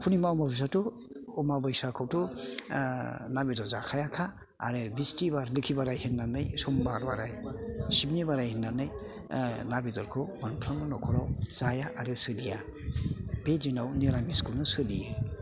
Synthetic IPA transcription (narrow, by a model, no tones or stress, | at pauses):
pʰunimaɔmabis̬atɔː | mabajsakʰawtɔ | nabidɔzakʰajakʰa̰ː | ɾɯbistibaɾlɯkʰibaɾajhinːanɯjsɔmbaɾbaɾajsibnibaɾajhinːanɯj | nabidɔɾkʰɯmanpʰɾamdɔnɔkʰɔɾawz̥ajaʔaɾɯsɯdija | b̥ezinawniɾamiskulnɯsɯdiɯ